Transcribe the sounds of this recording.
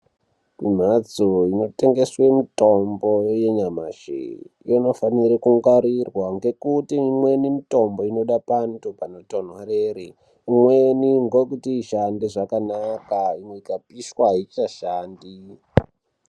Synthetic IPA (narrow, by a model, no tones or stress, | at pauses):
mim̤ad͡zoino̞te̞ŋɡe̞swe̞mito̞mboje̞ɲamaʒḛjono̞faniɾikuŋɡaɾirwaŋɡe̞kutiːmwe̞nimito̞mbo̞ino̞ɗapantupano̞ton̤warere | imweniŋɡokutiːʃandiʐakanakaimweikapiʃwaɦit͡ʃaʃaːndi